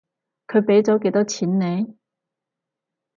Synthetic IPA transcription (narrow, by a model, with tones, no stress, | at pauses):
kʰɵ˨˧ɥpe˨˥jt͡sɔː˨˥k̬e˨˧˥jt̪ɔː˥t͡sʰiː˨˥nːe˨˧j